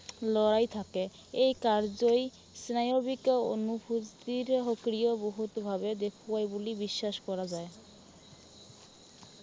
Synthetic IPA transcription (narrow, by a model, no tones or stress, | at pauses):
lɔɾajt̪ʰake | ejkaɾd͡ʑoj | snajobiko̰nubʱut̪iɾɦokɾioboɦut̪bʱabed̪ekʰoajbulibiʃːaʃkɔɾad͡ʑae